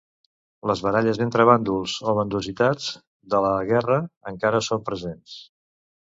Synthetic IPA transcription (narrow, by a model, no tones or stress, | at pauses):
ləzβəɾaʎəzðent̪ɾəβand̪ulˠz̥oβənd̪uzit̪ad͡z | d̪ələɣɛrəəŋkaɾəsompɾəzens